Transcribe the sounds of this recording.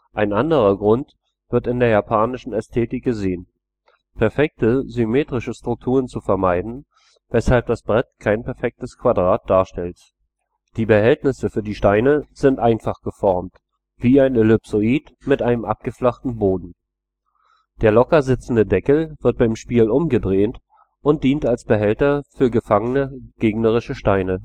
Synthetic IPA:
ʔʔaɪnʔandəʁ̞ɐɡʁʊnt | v̥ɪɐtɪndeːɐjapʰaːnɪʃn̩ɛstʰeːtɪk̚ɡ̥əzeːən | pʰɛɐfɛk̚təzymeːtʁ̥ɪʃəstʁ̥ʊk̚tʰuːʁ̞ənt͡sufɛɐmaɪdn̩ | vɛshalp̚d̥asb̥ʁɛtkʰaɪnpɛɐfɛk̚təskv̥adʁaːt̚d̥aːɐʃtɛlt | d̥iːbəhɛltnɪsəfyːɐdiːʃtaɪnəz̥ɪntʔaɪnfaχɡ̥əfɔɐmt | v̥iːaɪnelʏpsoiːt | mɪtʔaɪnəmʔa̰p̚ɡ̥əflaχtn̩boːdn̩ | d̥eːɐlɔkɐzɪt͡sn̩dədɛkl̩vɪɐt̚b̥aɪmʃpiːlʔʊmɡədʁeːnt | ʔʊnt̚d̥iːntalsb̥əɦɛltɐfyːɐɡəfaŋənəɡ̥eːɡnəʁ̞ɪʃəʃtaɪnə

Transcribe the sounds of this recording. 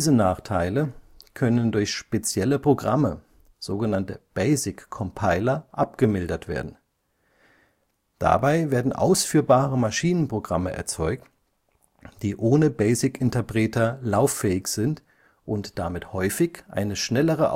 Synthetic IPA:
zənaːχtʰaɪləkʰœnəndʊɐçʃpet͡sjɛləpʁ̥oɡʁamə | z̥oːɡənantəb̥eɪzɪkʰːɔmpʰaɪlɐʔap̚ɡ̥əmɪldɐtv̥ḛːɐdn̩ | d̥a̰baɪveːɐdn̩ʔa̰ʊsfyːɐbaːʁəmaʃiːnənpʁ̥oɡʁa̰məʔɛ̰ɐt͡sɔʏk̚t | d̥iːʔoːnəbɛɪzɪkɪntɐpʁ̥ɛːtʰɐlaʊfɛːɪçz̥ɪnt | ʔʊntd̥amɪthɔʏfɪçʔa̰ɪnəʃnɛləʁ̞əʔ

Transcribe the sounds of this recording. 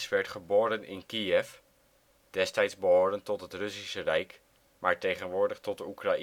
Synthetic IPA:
sʋɛɹtχəboːɾənɪ̰nkiɛf | d̥ɛstɛjtzbəɦoːɾəntɔtɦətrɵsisərɛjk | maːɹtejχənʋʊːɹdəχtɔtdəukraʔi

